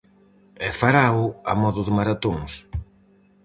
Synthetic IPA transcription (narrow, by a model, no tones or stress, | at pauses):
ɛfaɾawamɔðʊðɪmaɾat̪oŋs